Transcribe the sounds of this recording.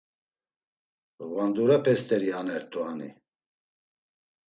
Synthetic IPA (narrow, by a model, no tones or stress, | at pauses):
ɣwand̪uɾapʰɛst̪ʰʼɛɾianɛɾt̪ʼuanḭ